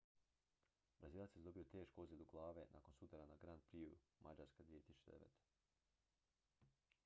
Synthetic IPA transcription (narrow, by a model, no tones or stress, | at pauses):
bɾaziːlˠat̪sjezd̪o̞biot̪e̞ːʃkoozʋed̪uɡlˠaːʋenʔa̰ːko̞nsut̪aɾanaɡɾand̪̚pɾiumad͡ʑaɾskad̪ʋijet̪isu̥t͡ʃed̪eʋḛːt̪e̥